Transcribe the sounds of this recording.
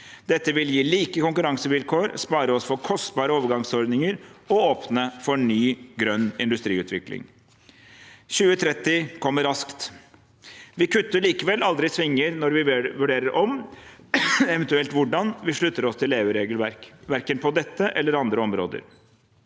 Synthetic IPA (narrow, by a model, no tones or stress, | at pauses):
d̪ɛt̪ːəʋɪljiːliːkəkʊŋkʉɾɑŋsəʋɪlkʰoːɾspɑːɾəɔsfɔɾkʰɔst̪bɑːɾəoːʋəɾɡɑŋsɔɾd̪nɪŋəɾɔoːpnəfɔɳyːɡɾœnːɪnd̪ʉst̪ɾiːʉːt̪ʰʋɪ̰klɪ̰ŋ | ɕʉːət̪ʰɾɛt̪ːɪkʰɔmːəɾɑskt̪ | ʋɪkʰʉt̪ːəɭiːkəʋɛlɑld̪ɾɪsʋɪŋːəɾnɔɾʋɪʋʉɖeːɾəɾʔɔm | ɛʋɛnt̪ʉɛlt̪ʋʊɖɑnʋɪʂɭʉt̪ːəɾɔst̪ʰɪleːʋəɾeːɡəlʋæɾkʋæɾkənpʰɔd̪ɛt̪ːəʔɛlːəɾɑnd̪ɾəɔmɾo̰ːd̪ə̰ɾ